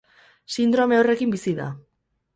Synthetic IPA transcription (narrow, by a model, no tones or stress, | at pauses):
sind̪ɾo̞me̞ore̞kimbisiða̰